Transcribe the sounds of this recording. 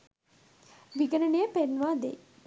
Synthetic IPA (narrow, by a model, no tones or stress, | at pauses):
ʋiɡənəneəpenʋaːd̪ḛ